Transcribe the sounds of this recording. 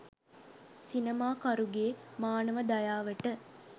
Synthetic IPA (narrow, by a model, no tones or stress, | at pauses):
sinemaːkɐɾuɡeːmaːnəʋəd̪ɐjaːʋəʈə